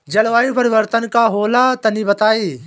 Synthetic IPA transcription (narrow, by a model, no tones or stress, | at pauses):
d͡ʒɐɭʋaːjũpɐɾɪʋəɾt̪ənkaɦoːlat̪ɐnĩbɐt̪aːiː